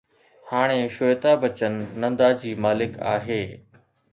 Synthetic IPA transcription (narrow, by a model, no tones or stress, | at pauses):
haːɽ̃eʃojt̪abɐt͡ɕənːɐ̃nd̪ad͡ʑiːmaːlɪka̰ːɦeː